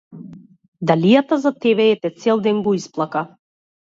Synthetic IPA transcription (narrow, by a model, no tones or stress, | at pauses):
d̪alijat̪azat̪ɛbɛɛt̪ɛt̪sɛlˠd̪ɛnɡɔisplˠaka